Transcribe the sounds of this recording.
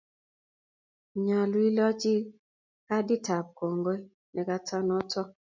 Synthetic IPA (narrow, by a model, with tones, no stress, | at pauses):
ɲa˨lwi˦lɔ˦t͡ʃi˦ | ka˦di˦ta˨p̚ko˨ŋɡo˦i˦ | nɛ˨ka˦ta˦nɔ˦tɔ˦